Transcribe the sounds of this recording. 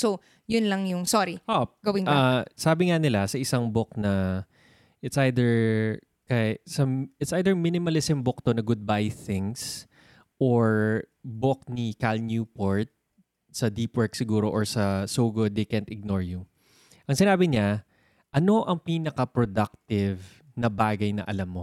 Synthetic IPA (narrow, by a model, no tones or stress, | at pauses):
so | jʊnlɐŋjʊŋsoɾihopɡɐwɪ̃nŋkasaːbɪŋanɪlasɐʔɪsaŋbok̚nɐ | ʔɪt̪sʔajd̪ɛɹ | kɐsɐɪt̪sʔajd̪ɛɹmɪnɪmɐlɪsɛmbok̚t̪onɐɡʊd̪̚bajθɪŋs | ʔoɹ | bok̚nikalnjuːpoɹt̪̚ | sɐd̪iːpwɛɹksɪɡuːɾo̞ʔoɹsɐsoːɡʊd̪̚d̪ejkɛ̃nt̪ɪɡ̚noɹjʊ | ʔɐŋsɪnaːbɪɲa | ʔɐno̞ʔɐŋpiːnɐkɐpɾod̪ak̚t̪ɪv | nɐbaːɡɐjnɐ̰ʔɐ̰lamːo